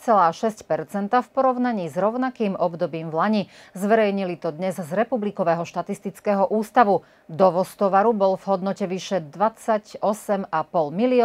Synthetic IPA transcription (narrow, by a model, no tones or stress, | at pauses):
t͡sɛlaːʃɛscpɛɾt͡sɛnt̪afpɔɾɔʊnaɲiːzɾɔʊnakiːmɔbd̪ɔbiːmvlaɲizʋɛɾɛjɲilit̪ɔd̪ɲɛzzɾɛpublikɔʋɛːɦɔʃt̪at̪ist̪it͡skɛːɦɔʔuːst̪aʋu | d̪ɔʋɔst̪ɔʋaɾubɔlvɦɔd̪nɔcɛʋiʃɛd̪ʋat͡saɟɔsɛmapɔlmiliɔ